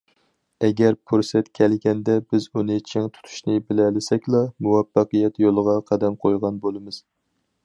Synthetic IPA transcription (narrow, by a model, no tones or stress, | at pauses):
ɛɡʲɛɾpʰuɾsɛt̪kʲʰɛlɡʲɛnd̪ɛbɪzunɨt͡ʃʰɪŋt̪ʰu̥t̪ʰu̥ʃnɪbɪlɛlɪsɛkʲlˠɑmuwɛfːɑqɨjɛt̪jolˠəʁɑqʰɑd̪ɛmqʰojʁɑnbolˠɨmɨz̥